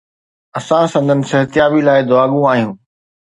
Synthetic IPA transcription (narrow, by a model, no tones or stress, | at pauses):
ɐsãsɐ̃nd̪ʱənɪ̆sɐɦət̪ɪjaːbilaːɪd̪ʊaːɠũaːɦijũː